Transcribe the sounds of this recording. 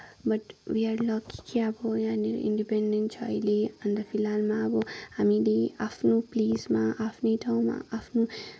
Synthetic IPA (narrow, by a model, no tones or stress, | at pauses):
bɐʈʋiaɾlɔki̥kʰiabojaːniḭ̃ɳɖipẽɳɖẽnt͡ʃʰa̰jliə̃nd̪əfʰilalmãbohamiliapʰnupliːzmaapʰniʈʰaw̃mã̰apʰnu